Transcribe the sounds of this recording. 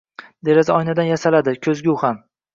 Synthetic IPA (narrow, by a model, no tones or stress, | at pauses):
d̪e̞ɾazaɒjnad̪anjasalad̪ɪkʲʰɵzɡʲauham